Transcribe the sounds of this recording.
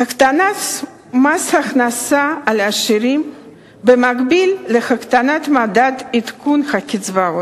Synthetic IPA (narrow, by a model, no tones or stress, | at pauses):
xakt̪anat | mashaχnasaːlaʃiɾim | bemaɡbilːeχakt̪anat̪mad̪ad̪it̪kunχakʲit͡svao